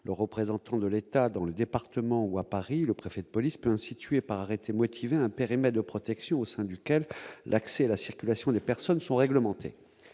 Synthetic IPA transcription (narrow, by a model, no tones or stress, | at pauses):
lʔəʁəpχezɑ̃t̪ɑ̃d̪əlet̪ad̪ɑ̃ləd̪epaʁt̪əmɑ̃uapaʁiləpχefɛd̪əpɔlispøɛ̃st̪it̪ɥepaʁaʁet̪ʰemɔt̪ʰiveɛ̃peʁimɛt̪̚d̪əpχɔt̪ɛksjɔ̃osɛ̃d̪ykʲɛllʔaksɛalasiʁkʲylasjɔ̃d̪epɛʁsɔnsɔ̃ʁɛɡləmɑ̃t̪ʰḛ